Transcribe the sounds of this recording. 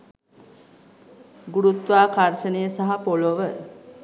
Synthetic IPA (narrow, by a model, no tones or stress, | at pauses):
ɡuɾut̪ʋaːkaɾʃənəjəsaɦapoloʋə